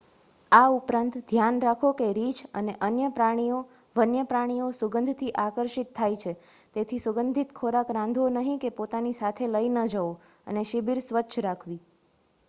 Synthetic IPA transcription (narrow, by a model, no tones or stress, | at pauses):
aupɾãnt̪d̪ʱjanɾakʰokeɾit͡ʃəneʔənjəpɾaɽ̃ijo | ʋənjəpɾaɽ̃iosuɡənd̪ʱt̪ʰiʔakəɾʃit̪ʰːajt͡ʃʰe | t̪et̪ʰisuɡənd̪ʱit̪kʰoɾakɾãnd̪ʱʋonəɦĩkepot̪anisat̪ʰeləinəd͡ʒəo | ə̰neʃibiɾsʋəːʃʰɾakʰʋi